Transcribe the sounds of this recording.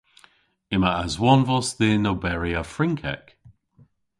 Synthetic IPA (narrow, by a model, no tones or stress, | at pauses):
ɪmaʔazwɔnvɔsðeːnobɛɹiafɹɪŋkʰɛ̰k